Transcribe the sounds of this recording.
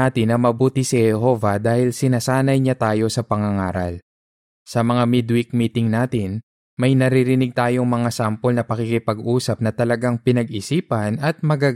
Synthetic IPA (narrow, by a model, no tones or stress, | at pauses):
at̪ɪnːɐmɐbuːt̪ɪsihɛɦo̞vɐd̪aːhɪlsɪnasaːnɐjɲat̪aːjo̞sɐpɐŋɐŋaːɾɐ̰l | sɐmɐŋamɪd̪wɪk̚miːt̪ɪŋnaːt̪ɪn | mɐjnɐɾiɾɪnɪɡ̚t̪aːjo̞ŋmɐŋasampolnɐpɐkikɪpɐɡʔuːsɐp̚nɐt̪ɐlɐɡaŋpɪnɐɡɪsiːpɐnɐt̪̚mɐɡa